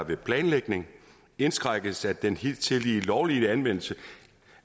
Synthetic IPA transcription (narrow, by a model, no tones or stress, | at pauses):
ʋe̝pʰlɛːnleɡ̥ne̝ŋ | e̝nsɡ̥ʁɑɡ̥əsæd̥d̥enhit͡sʰe̝liːlɒʊliænʋen̰l̩sə